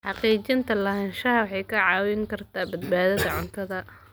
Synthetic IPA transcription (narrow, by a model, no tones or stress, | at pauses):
ħɑqiːt͡ʃɪnt̪ʰɐlɐɦɐnʃɐɦɐwɑħɑjkʰɐʕɑːwɪŋkʰɐrt̪ʰaːbɐd̪̚baːðɐðɐʕʊnt̪ʰɐðɐ